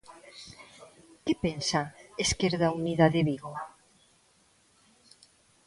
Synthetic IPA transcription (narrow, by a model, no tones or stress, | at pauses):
kepensaeskeɾðauniðaðeβiɣo